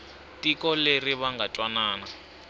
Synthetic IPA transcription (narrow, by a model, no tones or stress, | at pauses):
tikɔleriβaŋɡatʼwanaːna